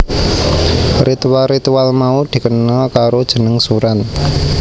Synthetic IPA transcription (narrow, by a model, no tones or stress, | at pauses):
rʔit̪uwalrit̪uwalmaud̪̥i̤kənɔkaɾod̥ʒ̥ə̤nəŋsuɾan